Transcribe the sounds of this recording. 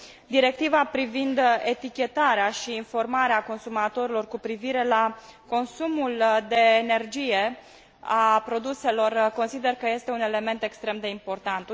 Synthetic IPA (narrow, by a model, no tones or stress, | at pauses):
d̪iɾe̞k̚t̪ivapɾivind̪e̞t̪ikʲe̞t̪aɾeaʃiːnfo̞rmaɾeako̞nsumat̪o̞ɾilo̞rkupɾiviɾe̞lako̞nsumuld̪e̞ːne̞rd͡ʒije̞ | apɾo̞d̪use̞lo̞rko̞nsid̪e̞rkəje̞st̪e̞une̞le̞me̞nt̪e̞kst̪ɾe̞md̪e̞impo̞rt̪ant̪